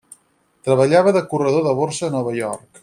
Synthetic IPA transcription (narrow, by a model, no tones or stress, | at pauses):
t̪ɾəβəʎaβəðəkurəðoðəβoɾsəːnɔβ̞əjɔrk